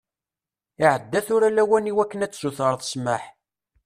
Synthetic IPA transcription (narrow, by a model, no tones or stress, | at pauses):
iʕəd̪ːæθʊɾælæwæniwækːənæt͡sːzuθəɾˤðˤsmaħ